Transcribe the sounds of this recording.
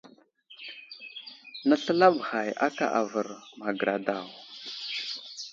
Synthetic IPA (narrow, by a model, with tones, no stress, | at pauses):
nə˦ɬə˦la˦bɣa˨ja˦ka̰˨ʔa˨və˨ɾma˨ɡɾa˨da˨w